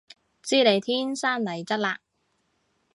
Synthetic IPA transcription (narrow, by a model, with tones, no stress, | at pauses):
t͡siː˥le˨˧jt̪ʰiː˥nsaː˥nlɐ˨˩jt͡sɐ˥t̚laː˧